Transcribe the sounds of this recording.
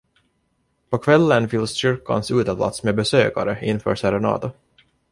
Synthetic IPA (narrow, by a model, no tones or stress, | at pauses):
pʰɔkʰvɛlːənfɪlsɕʏɾkːa̰nsʉːt̪əbla̰t̪smebɛsøːka̰ɾəɪnːfœ̰ːʂɛɾɛnɑ̰ːd̪ʊ